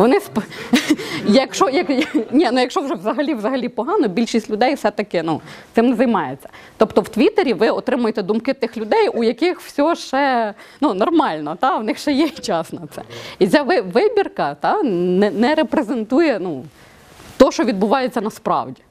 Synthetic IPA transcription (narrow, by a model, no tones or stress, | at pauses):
ʋɔnɪsp | jɐkʃɔjɐknʲinujɐkʃɔwʒɛʋzɐɦɐlʲiʋzɐɦɐlʲipɔɦɑnɔbʲilʲʃisʲtʲlʲʊd̪ɛjfsɛt̪ɐkɪnuɪmnɛzɐjmɑjet͡sʲːɐ̥t̪ɔpt̪ɔwt̪ʋʲit̪eɾʲiʋɪɔt̪ɾɪmʊjet̪ɛd̪umkɪt̪ɪxlʲʊd̪ɛjujɐkɪxwsʲɔʃt͡ʃɛnunɔrmɑlʲnɔt̪ɑʋnɪxʃɛjɛt͡ʃɑsnɔt̪sɛ̰it͡sʲaʋɪʋɪbʲirkɐt̪ɑnɛnɛɾepɾezent̪ujɛnu | t̪ɔʃt͡ʃɔʋʲid̪bʊʋɑjet͡sʲːɐnɐspɾɑ̰wdʲi